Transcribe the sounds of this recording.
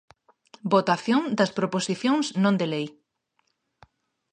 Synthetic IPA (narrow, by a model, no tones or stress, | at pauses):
bot̪aθjoŋd̪ɐspɾoposiθjõŋsnõnd̪elej